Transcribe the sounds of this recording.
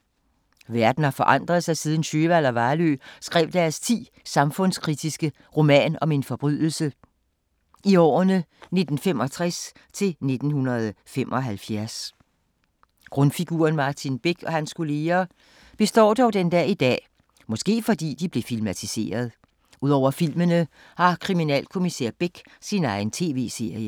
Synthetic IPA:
ʋæɐd̥n̩hɑ̈fɒ̽ʔɑ̈n̰d̥ʁɐð̞̩ˠsɑ̈ɪsið̞ˠn̩ɕøːʋæl̰ɒʋɑ̈ːlø̰ːsɡ̥ʁɛ̰ːʊd̥æɐst͡sʰḭː | sɑ̈mfɔ̽nskʰʁid̥isɡ̥ə | ʁo̝mɛ̰ːnɒ̽me̝nfɒ̽b̥ʁyðˠl̩sə | ʔiɒ̰ːnəne̝d̥n̩fem̰ɒ̽t͡sʰʁɛs | t͡sʰe̝lne̝d̥n̩hunɐð̩ˠfem̰ʔɒ̽ɦælfjæɐs | ɡ̥ʁɔ̽nfiɡ̥uːɐnmɑ̈ːt͡sʰinb̥e̝ɡ̥ʰɒ̽hænskʰo̝le̝ːɐ | b̥e̝sd̥ɒ̰ːd̥ɒʊd̥end̥ɛːid̥ɛ̰ː | mɒ̽sɡ̥e̝̰ːfɒ̽d̥ḭːd̥ib̥le̝filmæt͡sʰise̝̰ːɐð̞ˠ | uð̞̰ˠɒʊ̰ɐfil̰mənə | hɑ̈kʰʁiminɛ̰lkʰo̝misæɐ̰b̥eɡ̥ | sinɑ̈ɪn̩t͡sʰe̝̰ːʋe̝̰ːse̝ɐ̰jə

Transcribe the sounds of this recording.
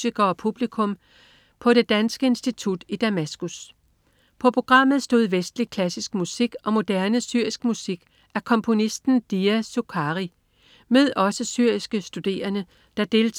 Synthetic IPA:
siɡ̥ɐɒ̽pʰub̥likʰɔ̽m | pʰɒ̽ɾe̝d̥ænsɡ̥əe̝nsd̥it͡sʰud̥id̥æmæsɡ̥us | pʰɒ̽pʰʁo̝ɡ̥ʁɑ̈m̰ð̩ˠsd̥o̝̰ð̞̩̰ˠʋesd̥likʰlæsisɡ̥musiɡ̥ʔɒ̽mo̝d̥æɐnəsyɐ̰isɡ̥musiɡ̥ | ʔæɐkʰɒ̽mpʰo̝nisd̥n̩d̥iæsokʰɑʁi | meðˠɒ̽səsyɐ̰isɡ̥əsd̥ud̥e̝̰ːɐnə | d̥ɑ̈d̥e̝ːl

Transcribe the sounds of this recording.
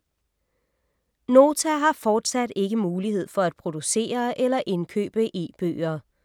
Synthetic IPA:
no̝ːt͡sʰæɦɑ̈fɒːd̥sæd̥e̝ɡ̥əmuːlihe̝ð̞̰ˠfɒ̽æd̥̚pʰʁo̝d̥use̝̰ːɐʔelɐʔe̝nkʰø̰ːb̥əʔe̝̰ːb̥ø̰ːɐ

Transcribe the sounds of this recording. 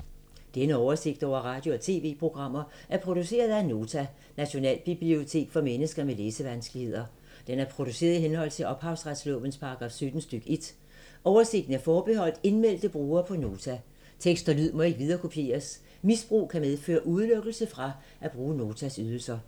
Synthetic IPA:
d̥enəɒʊɐse̝ɡ̥̚d̥ɒ̰ʊ̰ɐʁɑ̈d̥jo̝ɒt͡sʰe̝̰ːʋe̝̰ːpʰʁo̝ɡ̥ʁɑ̈m̰ɐʔæɐpʰʁo̝d̥use̝̰ːɐð̞̩ˠæno̝ːt͡sʰæ | næɕo̝nɛ̰ːlb̥ib̥lio̝t͡sʰe̝̰ːɡ̥fɒ̽menəsɡ̥ɐmeleːsəʋænsɡ̥lihe̝ð̰ˠɐ | d̥enæɐpʰʁo̝d̥use̝̰ːɐðˠiɦenɦɒ̽l̰t͡sʰe̝ʔɒ̽b̥hɑ̈ʊsʁad̥slɔ̰b̥ən̩spʰɑ̈ɡ̥ʁɑ̈ːfsød̥n̩sd̥øɡ̥əe̝d̥ | ʔɒʊɐse̝ɡ̥d̥n̩æɐfɒːb̥e̝ɦɒ̽l̰d̥e̝nmel̰d̥əb̥ʁuːɐpʰɒ̽no̝ːt͡sʰæ | t͡sʰeɡ̥sd̥ɐlyð̰ˠmɒ̽e̝ɡ̥ʋið̞ˠɐːkʰo̝pʰje̝̰ːɐs | misb̥ʁṵːkʰæmeðˠfø̰ːɐʔuð̞ˠløɡ̥l̩səfʁɑ̈ | ʔæb̥ʁuːno̝ːt͡sʰæsyð̞ˠl̩sɐ

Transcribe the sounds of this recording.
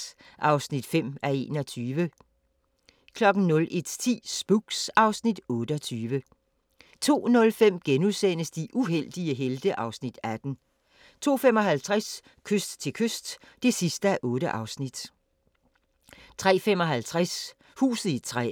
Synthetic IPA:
ʔɑ̈ʊsnid̥fem̰æe̝̰ːnɒ̽t͡sʰyːʋə | kʰlɒ̽ɡ̥n̩nɔ̽lʔe̝d̥t͡sʰḭːsb̥uɡ̥sɑ̈ʊsnid̥ɔ̽ːɾəɒ̽t͡sʰyːʋə | t͡sʰo̝̰ːnɔ̽lfem̰ɡ̥enuðˠsenəsd̥iʔuɦel̰d̥iəɦeld̥əʔɑ̈ʊsnid̥æd̥n̩ | t͡sʰo̝̰ːfemɒ̽ɦælt͡sʰʁas | kʰøsd̥t͡sʰe̝kʰøsd̥ːe̝sisd̥əæʔɔ̽ːɾəʔɑ̈ʊsnid̥ | t͡sʰʁɛ̰ːfem̰ɒ̽ɦælt͡sʰʁæs | hṵːsð̩ˠit͡sʰʁɛ̰

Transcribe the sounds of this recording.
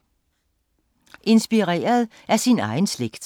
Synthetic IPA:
ʔe̝nsb̥iʁɛ̰ːɐð̞ˠ | ʔæɐsinɑ̈ɪn̩sleɡ̥d̥

